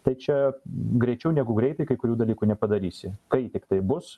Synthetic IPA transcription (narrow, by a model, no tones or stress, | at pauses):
t̪ɐɪt͡ʃʲɛɡɾʲɛɪt͡ʃʲɛʊnʲæɡʊɡɾʲɛɪt̪ɐɪkɐɪkʊɾʲuːd̪ɐlʲiːkuːnʲɛpɐd̪ɐɾʲiːsʲɪkɐɪt̪ʲɪkt̪ɐɪbʊs